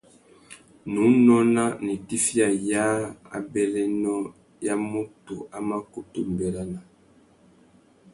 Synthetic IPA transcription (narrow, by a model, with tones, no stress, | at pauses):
nũ˨˦nɔ˦na˦ni˨ti˦fi˦a˨ja˦a̰˨bɛ˦lɛ˦nɔ˦ | ja˦mo˦to˨a˦ma˦ku˦tu˦m˨bɛ˨la˦na˨